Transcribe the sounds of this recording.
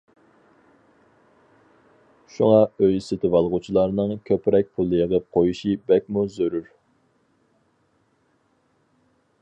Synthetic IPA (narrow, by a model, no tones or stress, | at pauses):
ʃuŋɑøjsɪt̪ʰɪvɑlˠʁut͡ʃʰilˠɑɾnɨŋkʲʰøpɾɛk̚ʲpʰulˠːɨjəʁəp̚qʰojuʃibɛkʲmuzøɾyɾ